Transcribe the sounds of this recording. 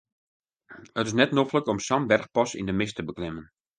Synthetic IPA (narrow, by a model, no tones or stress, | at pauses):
ətɪsnɛtnofləkɔmsambɛrxpɔsḭndəmɪstəbəklɪmən